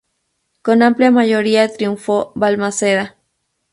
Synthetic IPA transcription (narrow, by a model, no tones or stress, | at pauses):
konampliamajoɾiat̪ɾiuɱfobalmaseða